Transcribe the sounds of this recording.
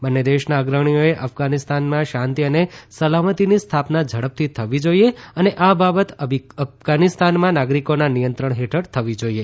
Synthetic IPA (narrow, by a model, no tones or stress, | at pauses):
bənːed̪eʃnaːɡɾəɳ̃ijoeʔəfɡanist̪anmãʃãnt̪iənesəlamət̪inist̪ʰapnad͡ʒʱəɽəp̚t̪ʰit̪ʰəʋid͡ʒoieəneʔababət̪əfɡanist̪anmãnaɡɾikonanijənt̪ɾəɳ̃ɦeʈʰəɽt̪ʰəʋid͡ʒoie